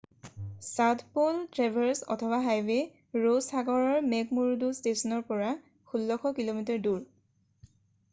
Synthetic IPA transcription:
satʰpoltɹabʱɛɹsɔ̰tʰɔbaɦajwe | ɹosaɡɔɹɔɹmɛkmuɹudustesɔnɔɹpɔɹa | xulːɔxʰɔkilomitɔɹduɹ

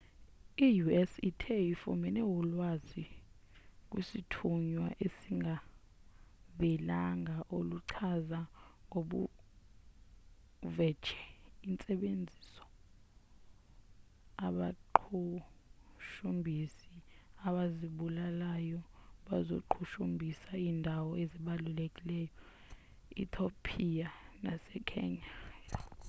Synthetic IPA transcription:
ijuɛsitʰeifṵmɛnɛwulwazi | k̬ʼwisitʰuɲwaʔesiŋɡʱa | ɓɛlaŋɡaʔoluǀʰazaŋɡoɓṵ | vɛ̥t͡ʃʰɛ̥int͡sʼɛɓend͡zʱisɔ̥ | aɓaǃʰu | ʃumbʱisiaɓaziɓulalajɔɓazo̰ǃʰuʃumbʱisaiːndʱawɔeziɓalulekʼilɛːjɔ | ḭtʰopʰijanasɛkʰɛ̰ɲa

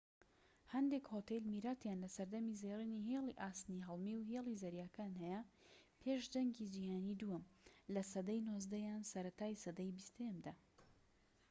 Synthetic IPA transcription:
hɐnd̪ekhoːt̪elmiɾaːt̪jaːnlɐsɐɾd̪ɐmizejriniɦelˠiʔaːst̪niɦɐlˠmiwɦelˠizɐɾjaːkaːnhɛjɐ | pʰeːʃd̪ɐŋɡid͡ʒihaːnid̪uɐmlɐsɐd̪ɐjnozd̪ɐjaːnsɐɾɐt̪aːjsɐd̪ɐjbist̪jɐmd̪aː

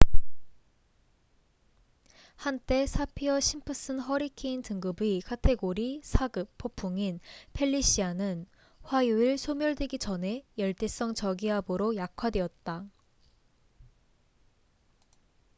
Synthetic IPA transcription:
hant͈e̞sʰapʰiʌɕʰimpʰɯs͈ɯnɦʌɾikʰeintɯŋɡɯbikʰatʰe̞ɡoɾisʰaɡɯp̚p͈ʰːopʰːuŋinpʰe̞ʎːiɕ͈ianɯn | ɸwajuiɭsʰomjʌɭdweɡid͡ʑʌne̞jʌɭt͈es͈ʌŋt͡ɕʌɡiɦaboɾojakʰwadwe̞ʌt̚t͈a

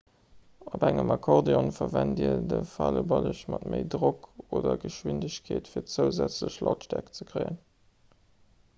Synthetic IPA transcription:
obæŋəmɑkʰoʁdeonfɐvændiːɐdəfɑləbɑləɕmɑtməɪdʁokoːdɐɡəʃwindəɕkʰeːtfiːɐt͡səʊzæt͡sləɕlɑtʃtækt͡səkʰʁeɪən

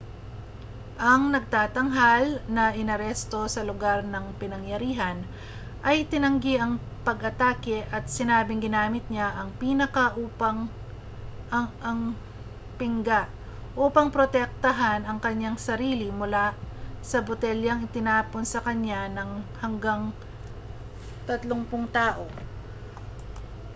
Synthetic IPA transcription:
ʔɐŋnɐɡ̚t̪aːt̪ɐŋɦalnɐʔɪnɐɾɛst̪o̞sɐlʊɡaɾnɐŋpɪnɐŋjɐɾiːɦɐn | ʔɐjɪt̪ɪnɐŋɡiʔɐŋ | pɐɡɐt̪aːkɛʔɐt̪̚sɪnaːbɪŋɡɪnaːmɪt̪̚ɲaʔɐŋpiːnɐkɐʔuːpɐŋ | ʔɐŋ | pɪŋɡaʔ | ʔuːpɐŋpɾot̪ɛk̚t̪ɐɦanɐŋkɐɲːaŋsɐɾiːlɪmʊlasɐbʊt̪ɛljɐŋɪt̪ɪnaːponsɐkɐɲːanɐŋhɐŋɡaŋ | t̪ɐt̪loŋpʊŋt̪aːʔo̞

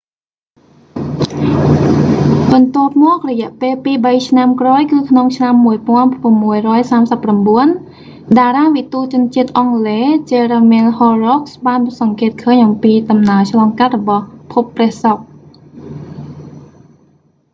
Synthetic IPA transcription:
ɓɑnt̪ŏəp̚mɔək̚rɔjɛ̆əʔpeːlpiːɓəjt͡ɕʰnamkraːjkɨːkʰnoŋt͡ɕʰnamːuəjpŏənramːuəjrɔəjsaːmsəpːramɓuən | ɗaːɾaːʋit̪uːt͡ɕʊ̆ənt͡ɕiət̪̚ʔɑŋleːt͡ɕeɾəmɛəlhoːrɔksɓaːnsɑŋkeːət̪̚kʰəːɲʔɑmpiːɗɑmnaət͡ɕʰlɑːŋkat̪̚rɔɓɑhpʰupːrɛ̆əhsok̚

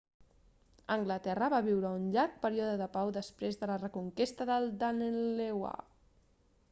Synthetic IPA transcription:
əŋɡlət̪ɛrəβaβiwɾəunʎaɾk̚pəɾiɔðəðəpawðəspɾezðələrəkuŋkest̪əðəlˠd̪anelewa̰

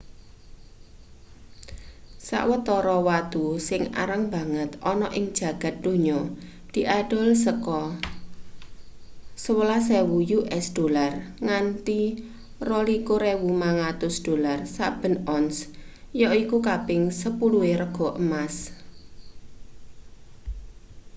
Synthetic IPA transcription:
sa̰ʔwət̪ɔɾɔwat̪usɪŋa̰ɾəŋb̥ä̤ŋət̪ɔnɔʔɪŋ̥ʒ̥ä̤ɡ̥a̤t̪̚d̪̥o̤ɲɔ | d̪̥i̤ʔaɖ̥ɔ̤lsəkɔ | səwəlasɛwujuʔɛsd̪̥o̤larŋant̪i | rɔlikoɾɛwumaŋat̪ʊsd̥o̤larsa̰ʔb̥ə̤nɔns | jɔikukabɪŋsəpulueɾəɡ̥ɔ̤ʔəmas

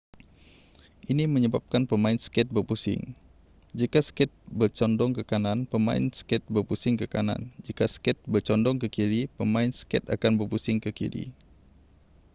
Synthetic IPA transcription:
ʔiniməɲəbap̚kanpəmaɪnsə̥kɛt̪̚bərpusɪ̰ŋ | d͡ʒikasə̥kɛt̪̚bərt͡ʃɔndɔŋkəkananpəma̰ɪ̰nsə̥kɛt̪̚bərpusɪŋkəkana̰nd͡ʒikasə̥kɛt̪̚bərt͡ʃɔndɔŋkəkiɾipəmaɪnsə̥kɛt̪a̰kanbərpusɪŋkəkḭɾḭ

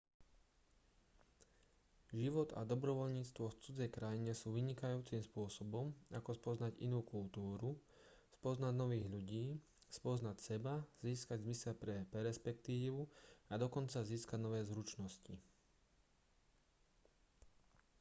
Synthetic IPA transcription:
ʒiʋɔd̪a̰d̪ɔbɾɔʋɔʎɲiːt͡st̪ʋɔft͡sud͡zɛjkɾajiɲɛsuːʋiɲikajuːt͡simspʊɔsɔbɔmakɔspɔznaɟḭnuːkult̪uːɾu | spɔznaɟnɔʋiːɣʎuɟiː | spɔznacsɛbaz̥iːskaɟzmisɛʎpɾɛpɛɾɛspɛkt̪iːʋuad̪ɔkɔnt͡saziːskaɟnɔʋɛːzɾut͡ʃnɔsci

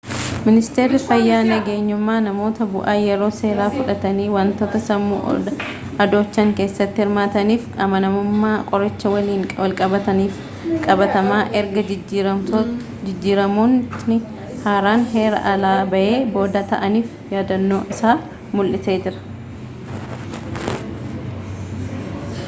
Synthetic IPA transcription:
mɪnɪst̪e̞ːɾːɪfɐjːaːnɐɡe̞ːɲːʊmːaːnɐmo̞ːt̪ɐbʊ̰ʔaːjɛɾo̞ːse̞ːɾaːfʊᶑɐt̪ɐniːwaːnt̪o̞ːt̪ɐsɐmːṵːɐ | ɐd̪o̞ːt͡ʃːɐŋke̞ːsːɐt̪ːɪhɪɾmaːt̪ɐniːfɐmɐnɐmʊmːaːkʼɔɾɐt͡ʃːɐwɐliːŋwɐlkʼɐbɐt̪ɐniːf | kʼɐbɐt̪ɐmaːʔɛɾɡɐɪɐo | ɪd͡ʒːiːɾɐmonɪ | haːɾaːnɦe̞ːɾɐ̰ʔɐlaːbɐʔe̞ːbo̞ːd̪ɐt̪ɐ̰ʔɐniːf | jaːd̪ɐnːo̞ːʔɪsaː | mʊlʔɪse̞ːd͡ʒɪɾɐ̥

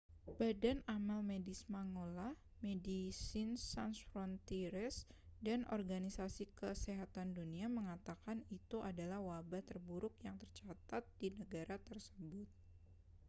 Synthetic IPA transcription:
b̥adanamalmedismaŋolah | medisɪnsansfɾɔnt̪iɾɛsdanʔɔ̰rɡanisasikəseɦat̪anduniaməŋat̪akanit̪uʔadalahwabaht̪ərbuɾʊk̚jaŋt̪ərt͡ʃat̪at̪̚dinəɡaɾat̪ərsəbʊt̪̚

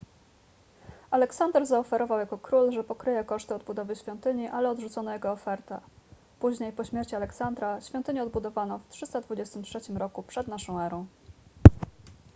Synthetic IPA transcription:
alɛksand̪ɛɾzaɔfɛɾɔvawjakɔkɾulʐɛpɔkɾɘjɛkɔʂt̪ɘɔd̪̚bud̪ɔvɘɕfʲjɔnt̪ɘɲiʔalɛɔd̪ʐut̪sɔnɔjɛɡɔːfɛɾt̪ɛ̰ | puʑɲejpɔɕmʲjɛɾt͡ɕialɛksand̪ɾaɕfʲjɔ̃nt̪ɘɲɛɔd̪bud̪ɔvanɔftʂɘst̪ad̪vud͡ʑɛst̪ɘmtʂɛt͡ɕimɾɔkupʂɛd̪naʂɔ̃w̃ɛɾɔ̃w̃

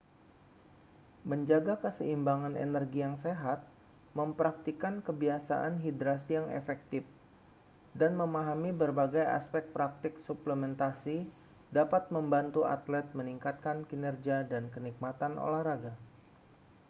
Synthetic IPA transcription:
məɲd͡ʒaɡakəsəimbaŋanḛnərɡijaŋseɦat̪̚ | məmpɾak̚t̪ikankəbiasa̰ʔanɦid̪ɾasijaŋḛfɛk̚t̪ɪf | danməmaɦamibərbaɡaja̰spɛk̚t̪̚pɾak̚t̪ɪksupləmɛnt̪asi | dapat̪̚məmbant̪ua̰t̪lɛt̪̚məniŋkat̪̚kankinɛrd͡ʒiadankənik̚mat̪anʔo̰lahɾaɡa

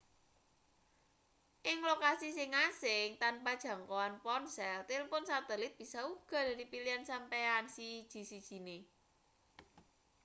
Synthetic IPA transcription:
ʔɪŋlokasisiŋasɪŋt̪anpad̥ʒ̥ä̤ŋkoanpɔnsɛlt̪ilpʊnsat̪ɛlɪt̪̚b̥isauɡ̥ɔ̤da̤ɾipiliansampɛansid̥ʒ̥i̤sid̥ʒ̥i̤ne

